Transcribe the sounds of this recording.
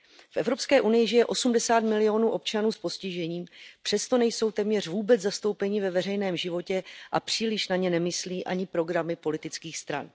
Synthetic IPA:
fʔɛvɾo̞pskɛːʔunɪjɪʒɪjɛʔo̞sumdɛsaːt̪mɪlɪo̞nuːʔo̞p̚t͡ʃanuːspo̞scɪʒɛɲiːmpr̥ɛst̪o̞nɛjso̞wt̪ɛmɲɛr̝vuːbɛt͡szast̪o̞wpɛɲɪvɛvɛrɛjnɛːmʒɪvo̞cɛʔapr̝̥iːlɪʃnaɲɛnɛmɪsliːʔa̰ɲɪpɾo̞ɡɾamɪpo̞lɪt̪ɪt͡skiːxst̪ɾa̰n

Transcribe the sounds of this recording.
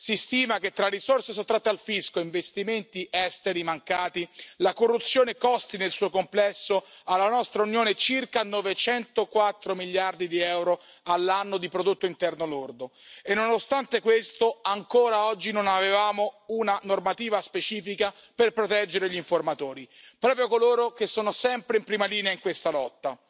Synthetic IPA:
sist̪iːmak̟et̪ːɾarisorses̬ot̪ːɾat̪ːealfiskoiɱvest̪iment̪iʔɛst̪eɾimaŋkaːt̪ilakorːut̪sːjoːnekɔst̪inelsuːokomplɛsːoalːanɔst̪ɾaunjoːnet͡ʃirkanɔvet͡ʃɛnt̪okwat̪ːɾomiljard̪id̪iɛwɾoalːanːod̪ipɾod̪ot̪ːoint̪ɛrnolord̪oenːonost̪ant̪ekwest̪oaŋkoːɾaɔd͡ʒːinonavevaːmounanormat̪iːvaspet͡ʃiːfika | perpɾot̪ɛd͡ʒːeɾeʎiɱformat̪oːɾipɾɔːpɾjokoloːɾokesːoːnosɛmpɾeimpɾiːmaliːneaiŋkwest̪alɔt̪ːa

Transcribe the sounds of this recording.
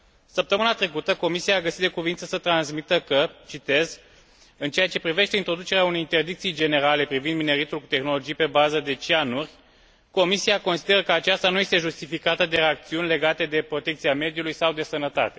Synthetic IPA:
səp̚t̪əmɨnat̪ɾe̞kut̪əko̞misiaːɡəsit̪̚d̪ekuvint̪səsət̪ɾanzmit̪əkət͡ʃit̪e̞z | ɨnt͡ʃe̞jat͡ʃe̞pɾive̞ʃt̪e̞int̪ɾo̞d̪ut͡ʃe̞ɾeaunejint̪e̞rd̪ikt̪sijd͡ʒe̞ne̞ɾale̞pɾivind̪mine̞ɾit̪ulku̥t̪e̞xno̞lo̞d͡ʒijpe̞bazəd̪e̞t͡ʃianurʲ | ko̞misiako̞nsid̪e̞ɾəkəat͡ʃast̪anuje̞st̪e̞ʒust̪ifikat̪əd̪e̞ɾe̞ak̚t̪siunʲle̞ɡat̪e̞d̪e̞pɾo̞t̪e̞k̚t̪siame̞d̪iulujsawd̪e̞sənət̪a̰t̪e̞

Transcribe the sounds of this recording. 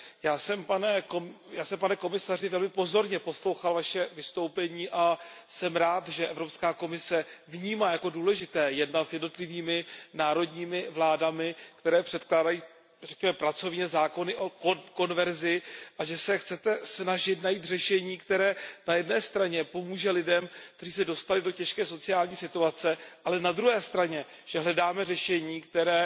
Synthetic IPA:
jaːsɛmpanɛjaːsɛmpanɛko̞mɪsar̝ɪvɛlmɪpo̞zo̞ɾɲɛpo̞slo̞wxalvaʃɛvɪst̪o̞wpɛɲiːʔasɛmɾaːt̪ʒɛʔɛvɾo̞pskaːko̞mɪsɛvɲiːmaːjako̞duːlɛʒɪt̪ɛːjɛdnat̪zjɛdno̞t̪lɪviːmɪnaːɾo̞dɲiːmɪvlaːdamɪkt̪ɛɾɛːpr̥ɛt̪klaːdajiː | rɛkɲɛmɛpɾat͡so̞vɲɛzaːko̞nɪʔokko̞nvɛɾzɪʔaʒɛsɛxt͡sɛt̪ɛsnaʒɪt̪najiːt̪r̝ɛʃɛɲiːkt̪ɛɾɛːnajɛdnɛːst̪ɾaɲɛpo̞muːʒɛlɪdɛmk̚t̪ɛr̝iːs̬ɛdo̞st̪alɪdo̞cɛʃkɛːso̞t͡sɪaːlɲiːsɪt̪uat͡sɛʔalɛnad̪ɾuɦɛːst̪ɾaɲɛ | ʒ̥ɛɦlɛdaːmɛrɛʃɛɲiːkt̪ɛɾɛː

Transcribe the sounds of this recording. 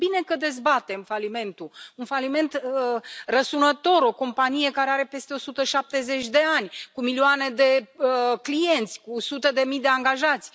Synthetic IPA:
bine̞kəd̪e̞zbat̪e̞mfalime̞nt̪uunfalime̞nt̪ | rəsunət̪o̞ɾo̞ko̞mpanije̞kaɾe̞aɾe̞pe̞st̪e̞o̞sut̪əʃap̚t̪e̞ze̞t͡ʃʲd̪e̞anʲkumilioane̞d̪e̞klije̞nt̪sʲkusut̪əd̪e̞mid̪e̞aŋɡaʒat̪sʲ

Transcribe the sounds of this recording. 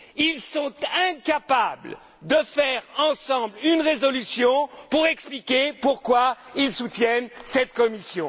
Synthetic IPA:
ilsɔ̃t̪ɛ̃kapabl | d̪əfɛʁɑ̃sɑ̃blynʁezɔlysjɔ̃puʁɛksplikʲepuʁkwailsut̪jɛnsɛt̪kɔmisjɔ̃

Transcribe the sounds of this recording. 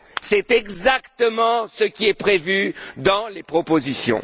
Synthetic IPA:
sɛt̪ɛɡzakt̪əmɑ̃səkʲiɛpχevyd̪ɑ̃lepχɔpozisjɔ̰̃

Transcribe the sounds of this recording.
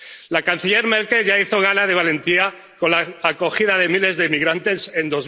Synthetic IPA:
lakan̟θiʎe̞ɾmelkelʝaiθo̞ɣ̞anað̞e̞βale̞nt̪ia | ko̞nlaako̞xiðaðe̞mile̞zðeimiɣɾant̪e̞se̞nd̪o̞z

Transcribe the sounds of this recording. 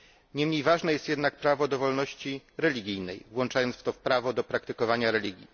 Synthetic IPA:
ɲɛmɲejvaʐnɛjɛst̪jɛd̪nak̚pɾavɔd̪ɔvɔlnɔɕt͡ɕiɾɛlʲiɡʲijnɛjvwɔnt͡ʂajɔnt̪sft̪ɔfpɾavɔd̪ɔpɾakt̪ɘkɔvaɲaɾɛlʲiɡʲjḭ

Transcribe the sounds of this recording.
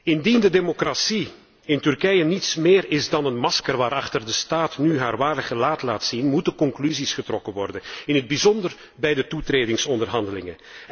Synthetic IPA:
ɪndindədemokrasi | ɪntʏrkɛjənitsmeːɾɪzdɑnənmɑskərʋaːɾɑxtərdəstaːtnyɦaːrʋaːrəɣəlaːtlaːtsinmutəkɔŋklyzisχətrɔkənʋɔrdənɪnɦəd̚bizɔndər | bɛjdətutreːdɪŋsɔndərɦɑndəlɪŋə

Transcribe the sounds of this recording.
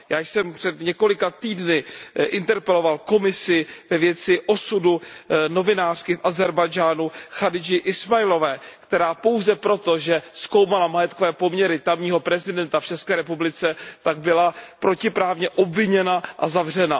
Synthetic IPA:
jaːjsɛmpr̝̥ɛd̪ɲɛko̞lɪkat̪iːdnɪʔɪnt̪ɛɾpɛlo̞valko̞mɪsɪvɛvjɛt͡sɪʔo̞suduno̞vɪnaːr̥kɪfʔazɛɾbajd͡ʒaːnuxadɪd͡ʒɪʔɪsmajlo̞vɛːkt̪ɛɾaːpo̞wzɛpɾo̞t̪o̞ʒɛsko̞wmalamajɛt̪kovɛːpo̞mɲɛɾɪt̪amɲiːɦo̞pɾɛzɪdɛnt̪aft͡ʃɛskɛːɾɛpublɪt͡sɛt̪aɡ̚bɪlapɾʔo̞cɪpɾaːvɲɛʔo̞bvɪɲɛnaʔazavr̝ɛna

